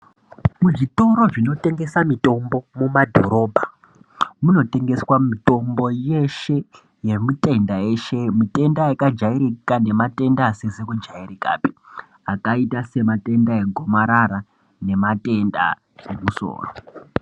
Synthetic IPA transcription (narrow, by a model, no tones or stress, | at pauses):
muʐito̞ɾo̞ʐino̞te̞ŋɡe̞samito̞mbo̞mumadʱo̞̰ɾo̞ːbʱa | muno̞te̞ŋɡe̞swamito̞mbo̞jeʃe̞ | je̞mite̞ndaje̞ʃe̞mite̞ndaakad͡ʒaiɾikane̞mate̞ndasezekud͡ʒairika̰ːpi̥ | akaitase̞mate̞ndae̞ɡʱomaɾaɾa | ne̞matʼe̞nda̰ | emuso̰ːro